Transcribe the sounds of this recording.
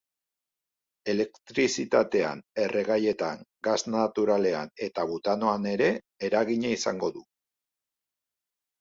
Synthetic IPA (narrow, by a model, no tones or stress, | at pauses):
e̞le̞kt̪ɾisit̪at̪e̞a̰ne̞rʔe̞ɣ̞aje̞t̪aŋɡaznat̪uɾale̞ane̞t̪aβut̪ano̞ane̞ɾe̞ː | ɾaɣiɲaisa̰ŋɡo̞ðu